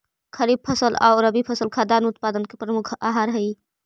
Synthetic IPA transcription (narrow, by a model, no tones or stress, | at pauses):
kʰəɾib̚pʰəsəla̰ʊɾəbipʰəsəlkʰad̪aːnʊt̪paːd̪ənkepɾəmukʰa̰ɦaɾɦəi